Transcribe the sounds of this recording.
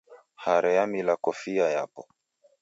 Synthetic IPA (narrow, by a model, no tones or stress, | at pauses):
haɾɛamilakɔfiajapɔ